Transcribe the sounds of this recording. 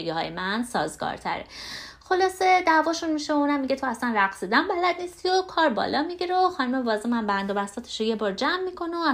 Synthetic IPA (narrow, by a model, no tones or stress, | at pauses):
eɡihɒ̰ːjemænsɒ̰ːzɡɒ̰ːɾt̪ʰæ̰ɾḛxo̞lɒːse̞d̪æːvɒːʃunmiʃeouːnæmːiɟe̞t̪ʰo̞æslænræɣsid̪ænbælæd̪nist̪iokʰɒːɾbɒ̰ːlɒːmiɟiɾeoxɒːnumevɒːzemæmbænd̪obæst̪ɒːt̪ʰe̥ʃoje̞bɒːɾd͡ʒæmːiːkʰo̞no